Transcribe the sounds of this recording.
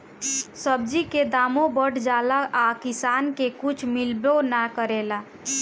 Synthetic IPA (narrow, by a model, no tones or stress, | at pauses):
səbd͡ʒiked̪aːmobəɽd͡ʒaːlaʔakɪsaːnkekut͡ʃʰmilbonakəɾela